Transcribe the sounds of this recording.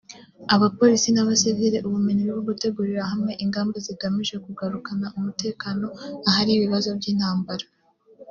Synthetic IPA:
aβapo̞ɾisinaβaseveɾeʔuβumiɲiɾiβoɡute̞ɡuɾiɾaɦamŋe̞ʔiŋɡaːmbaziɡamiʒe̞kuɡaɾukanaʔumute̞ːkaːno̞aɦaɾiβiβazo̞bɟiːn̥haːmbaɾa

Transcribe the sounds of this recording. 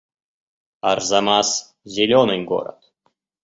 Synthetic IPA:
ɑ̰rzɑmɑs | zʲilʲonɨnʲɡo̰ɾə̰t̪

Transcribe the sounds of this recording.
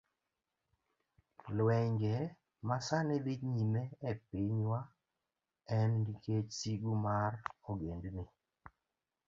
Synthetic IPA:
lwɛŋɡɛ | masanɪd̪iɲimɛɛpiɲwa | ɛndikʰet͡ʃsiɡumaroɡendni

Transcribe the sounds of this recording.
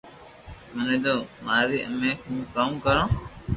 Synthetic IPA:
mənẽːd̪oːmaːɾiːʔəmeːkʰũːkamkəɾãː

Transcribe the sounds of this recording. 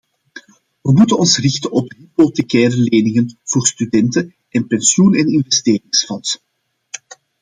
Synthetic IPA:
ʋəmutənɔnsrɪxtənɔpɦiplotekɛːɾəleːnɪŋənv̥oːrstydɛntə | ʔɛnpɛnsjunɛnɪnvɛsteːɾɪŋsfɔns

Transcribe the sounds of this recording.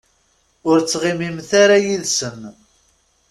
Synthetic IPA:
ʊɾt͡sːʁɪmimθaɾajiðsən

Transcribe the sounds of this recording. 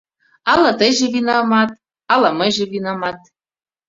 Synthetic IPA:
ɑlɑt̪əjʒĕβinɑmɑt̪̚ | ɑlɑməjʒĕβinɑmɑt̪̚

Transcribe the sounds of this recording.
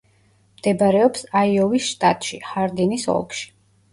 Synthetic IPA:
md̪̥ɛbaɾɛɔpsaiɔvisʃt̪ʼa̰t̪ʼʃihaɾd̪inisɔ̰lˠkʃi̥

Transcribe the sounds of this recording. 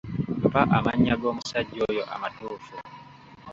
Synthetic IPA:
mpaʔamaɲːaɡo̞ːmusaɟːojoʔa̰matuːfu

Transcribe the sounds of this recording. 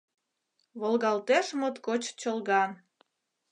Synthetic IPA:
βolɣɑlt̪eʃmot̪kot͡ɕt͡ɕəlɣɑn

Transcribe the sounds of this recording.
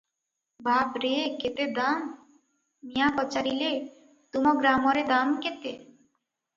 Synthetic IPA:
bʱabɾeket̪ed̪amː | ijakɔt͡ɕaɾile | t̪umɔɡɾamɔɾed̪amket̪e

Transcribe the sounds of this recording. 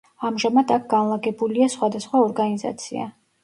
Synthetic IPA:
amʒamad̪ak̚ʰɡ̥anlˠaɡɛbuliasχwad̪asχwaɔɾɡaniza̰t̪sʰḭa̰

